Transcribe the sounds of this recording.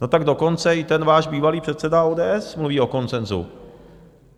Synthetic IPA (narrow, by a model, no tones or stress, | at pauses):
not̪aɡdo̞ko̞nt͡sɛɪt̪ɛnvaːʒbiːvaliːpr̥ɛt̪sɛdaoːdɛːʔɛsmluviːo̞ko̞nt͡sɛnzṵ